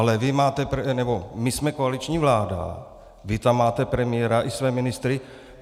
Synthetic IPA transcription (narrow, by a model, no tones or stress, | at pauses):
alɛvɪmaːt̪ɛpɾɛnɛbomɪsmɛkoalit͡ʃɲiːvlaːda̰ | vɪt̪amːaːt̪ɛpɾɛmɪjɛɾaʔɪsvɛːmɪnɪst̪ɾɪ